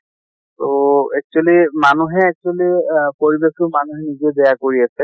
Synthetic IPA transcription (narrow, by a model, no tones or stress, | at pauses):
toɛk̚t͡ʃualimanuɦɛːk̚t͡ʃualipoɹibektʊmanuɦɛnizebɛjakoɹiasɛ